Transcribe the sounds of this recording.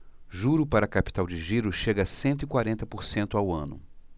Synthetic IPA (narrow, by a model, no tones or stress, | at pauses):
ʒuɾʊpaɾɐkapi̥t̪awd͡ʒɪʒiɾʊʃeɡɐsẽnt̪ʊikwaɾẽnt̪ɐpoɾsẽnt̪ʊawɐ̰̃nʊ̰